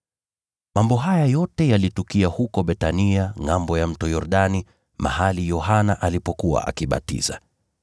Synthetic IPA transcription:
mambɔɦajajɔtɛjalitukiahukɔɓɛtaniaŋambɔjam̩tɔjɔɾɗani | ma̰halijɔɦanaʔalipɔkuwa̰ʔa̰kiɓa̰tḭza̰

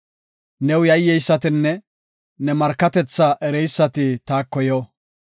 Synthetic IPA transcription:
nɛwjɐjːɛjsːɐt̪ɪnːɛ | nɛmɐɾkːɐt̪ɛt͡sːɐʔɛɾɛjsːɐt̪ɪt̪aːkːɔjɔ

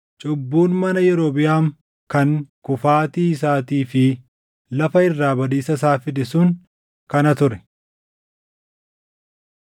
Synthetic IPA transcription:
t͡ʃʼʊbːuːnmɐnɐjɛɾoːbɪjaːŋ | kɐŋkʊfaːt̪iːɪs̬aːt̪iːfɪ | lɐfɐɪrːaːbɐd̪iːsɐs̬aːfɪd̪ɛsʊŋ | kɐnɐt̪ʊɾɛ̥

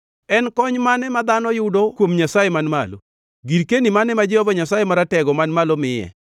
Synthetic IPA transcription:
ɛnkɔɲmanɛmad̪anɔjʊdokwomɲasajemanmalo̰ | ɡiɾkenimanɛmad͡ʒɛhɔbaɲasajɛmaɾatɛɡɔmanmalɔmɪjɛ̰

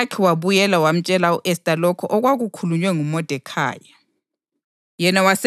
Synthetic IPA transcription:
kʰɛwaβujɛlawam̩t͡ʃʼɛlauʔɛstʼalɔkʰɔʔɔɣwaɣukʰuluɲwɛŋumɔd̥ʱɛkʰa̰ːja | jɛnawas

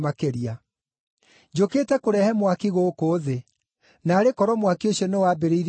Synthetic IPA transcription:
makeɾia | d͡ʑokeːtɛkoɾɛhɛmwakiɣoːkoːðe | naːɾekɔɾɔmwakioɕjɔnewabeɾeiɾ

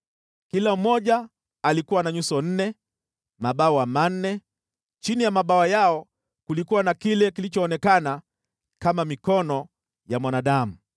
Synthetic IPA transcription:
kilam̩mɔʄaː | likuwanaɲusɔn̩nɛ | maɓaɔwamannɛ | t͡ʃinijamaɓaɔjaɔ | kulikuwanakilɛkilit͡ʃɔːnɛkana | kamamikɔnɔ | jamwanaɗamu

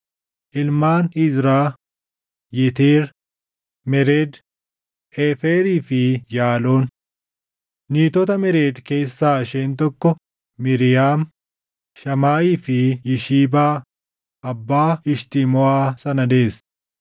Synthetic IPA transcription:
ʔɪlmaːnɪzɾaː | jɛt̪eːɾ | mɛɾeːd̪ | ʔeːfeːɾiːfɪjaːloːn | niːt̪ɔt̪ɐmɪɾeːd̪ke̞ːsːaːɐʃeːnt̪ɔkːɔ | mɪɾɪjaːm | ʃɐmaːiːfɪjɪʃiːbaː | ʔɐbːaːɪʃt̪ɪmɔaːsɐnɐd̪eːs

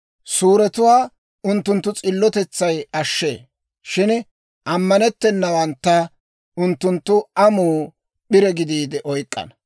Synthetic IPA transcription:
suːɾɛt̪ʊwaː | ʊnt̪ːʊnt̪ːʊt͡sʼɪlːɔt̪ɛt͡sːɐjɐʃːḛː | ʃɪn | ʔɐmːɐnɛt̪ːɛnːɐwɐnt̪ːɐ | ʊnt̪ːʊnt̪ːʊʔɐmuː | ɓɪɾɛɡɪd̪iːd̪ɛʔɔjkʼːɐ̰nɐ

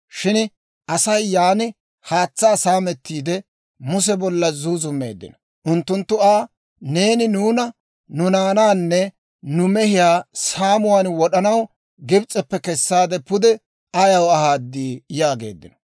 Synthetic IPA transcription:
ʃɪn | ʔɐsɐjːaːnɪ | haːt͡sːaːsaːmɛt̪ːiːd̪ɛ | mʊs̬ɛbɔlːɐzuːzʊmːe̞̰ːd̪ːɪ̰nɔ̥ | ʔʊnt̪ːʊnt̪ːʊaː | ne̞ːnɪnuːnɐ | nʊnaːnaːnːɛ | nʊmɛhɪjaːsaːmʊwaːnwɔɗɐnɐw | ɡɪbt͡sʼːɛpːɛkɛsːaːd̪ɛpʊd̪ɛ | ɐjɐwɐhaːd̪ːiːjaːɡe̞̰ːd̪ːɪ̰nɔ̥

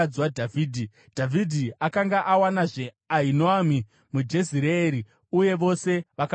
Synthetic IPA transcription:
d͡zwadʱaviːdʱi | d̥ʱavʱidʱiakaŋɡaʔawanaʐe̞ | ainoami | mud͡ʒe̞ziɾeːɾi | uje̞ʋo̞se̞ʋaka

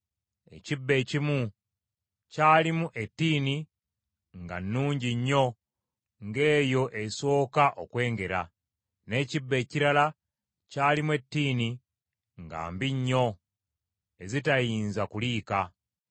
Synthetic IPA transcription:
e̞̰cibːe̞cimu | caːlimuʔe̞tːiːni | ŋɡa̰nːuːɲɟiɲːo̞ | ŋɡe̞ːjo̞ʔeso̞ːkaʔo̞kwe̞ːŋɡe̞ɾa̰ | ne̞ːcibːe̞ːciɾala | caːlimwe̞tːiːni | ŋɡa̰ːmbiɲːo̞ | e̞zitajiːnzakuliːka

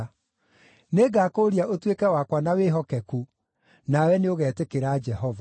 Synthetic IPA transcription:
neɡakoɾiaʔotwekɛwakwanaweɦɔkɛku | nawɛneoɣɛːtekeɾad͡ʒɛɦɔva

